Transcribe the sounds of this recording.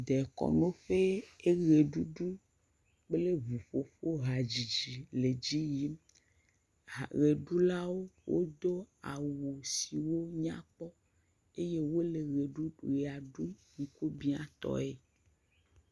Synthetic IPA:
d̪ɛ˨kɔ̰˨nõ˦ɸe˦e˦ɣe˨ɖu˦ɖu˦ | k͡ple˦vu˨ɸo˨ɸo˦ɦa˨d͡ʒi˨d͡ʒi˨le˨d͡ʑi˦ji˦m | a˨ɣe˨ɖu˦la˦wo˦wʔo̰˦d̪o˦a̰˨wu˨si˨wo˦ɲã̰˦k͡pɔ˦ | e˦je˦wo˦le˨ɣe˨ɖu˦˨ɣe˨a˨ɖu˦ɲĩ˨ku˦bi˦a̰˨t̪ɔ̰˦˨e˨

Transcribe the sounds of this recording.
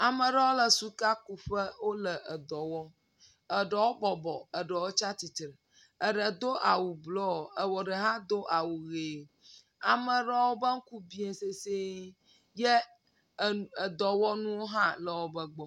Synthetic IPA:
a˨mə̃˨ɖə˦wo˦lə˨su˦ka˦ku˨ɸə˦wo˦lə˨ʔə˨d̪ɔ˨wɔ˦ | ə˨ɖə˨wo˦bɔ˨bɔ˨ə˨ɖə˨wo˦t͡ʃa˦t̪i˨t̪ɾə˨ | ə˨ɖə˨d̪o˦ʔa˨wu˨blɔ˦˨ə˨wɔ˨ɖə˨ɦã˦d̪o˦ʔa˨wu˨ɣe˨ | a˨mə˨ɖə˦wo˦bə˦ŋ̩˦ku˦bi˦e˨se˦se˦ | jɛ˦˨ | ə˨d̪ɔ˨wɔ˦nũ˦wo˦ɦã˦lə˨wo˦bə˨ɡ͡bɔ˨

